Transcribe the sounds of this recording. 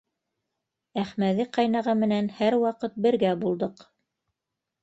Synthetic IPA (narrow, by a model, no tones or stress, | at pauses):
æχmæðiqɑjnɑʁɑmɘ̆nænhæɾwɑqɤt̪̚bɘ̆ɾɡæbulˠd̪ɤq